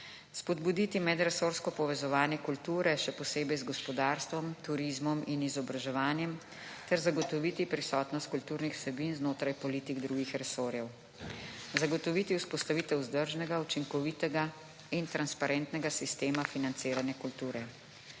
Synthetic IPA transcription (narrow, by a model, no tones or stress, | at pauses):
spɔd̪bud̪it̪imɛd̪ɾɛsoɾskɔpɔʋɛzɔʋaːnjɛkult̪uːɾɛʃɛpɔseːbɛjzɡɔspɔd̪aːɾst̪ʋɔmt̪uɾizmɔminizɔbɾaʒɛʋaːnjɛm | t̪ɛɾzaɡɔt̪ɔʋiːt̪ipɾisɔːt̪nɔst̪̚kult̪uːɾnixw̥sɛbinznoːt̪ɾajpɔlit̪iɡd̪ɾuːɡixɾɛsoːɾjɛw | zaɡɔt̪ɔʋit̪iuspɔst̪aʋiːt̪ɛwzd̪əɾʒnɛɡaut͡ʃiŋkɔʋit̪ɛɡa | int̪ɾanspaɾɛnt̪nɛɡasist̪eːmafinant̪seːɾanjɛkult̪uːɾɛ